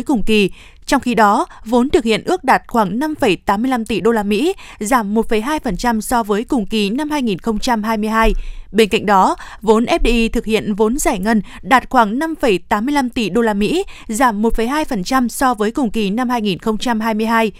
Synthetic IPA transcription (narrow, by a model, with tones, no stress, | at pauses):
jkʊ˨˩ŋ͡mki˨˩ | t͡ɕɔ˧wŋ͡mxi˧ɗɔ˨˦vo˨˦nt̪ɨ˨˩k̚hḭ˧˨ənʔɨ˦˥ək̚ɗaː˨˩t̚xwaː˧˩ŋna˧mfə˧˩jt̪aː˨˦mːɨ˧əjla˧mt̪i˨˩ɗo˧laː˧mḭ˧˥ | zaː˧˩mːo˨˩t̚fə˨˩jɦaː˧jfə˨˩nt͡ɕa˧msɔ˧vəː˨˦jkʊ˨˩ŋ͡mki˨˩na˧mhaː˧jŋi˨˩nxə˧wŋ͡mt͡ɕa˧mɦaː˧jmɨ˧əjɦaː˧jɓe˧nka̰˧˨ŋ̟̚ɗɔ˨˦ | vo˨˦nʔɛ˦˥p̚ɗi˧ʔi˧t̪ʰɨ˨˩k̚hḭ˧˨ənvo˨˦nzaː˧˩jŋə˧n | ɗaː˨˩t̚xwaː˧˩ŋna˧mfə˧˩jt̪aː˨˦mɨ˧əjla˧mt̪i˨˩ɗo˧laː˧mḭ˧˥zaː˧˩mːo˨˩t̚fə˨˩jɦaː˧jfə˨˩nt͡ɕa˧msɔ˧vəː˨˦jkʊ˨˩ŋ͡mki˨˩na˧mhaː˧jŋi˨˩nxə˧wŋ͡mt͡ɕa˧mɦaː˧jmɨ˧əjɦaː˧j